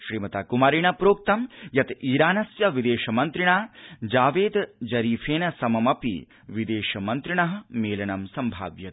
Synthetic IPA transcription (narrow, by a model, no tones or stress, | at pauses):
ʃɾiːmɐt̪aːkumaːɾiɳɐpɾoːk̚t̪ɐmjɐt̪iːɾaːnɐsjɐʋid̪eːʃɐmɐnt̪ɾiɳaːd͡ʒaːʋeːd̪d͡ʒɐɾiːfʰeːnɐsɐmɐmɐpḭ | ʋid̪eːʃɐmɐnt̪ɾiɳɐɦɐ̆meːlɐɳɐmsɐmbʱa̰ːʋjɐt̪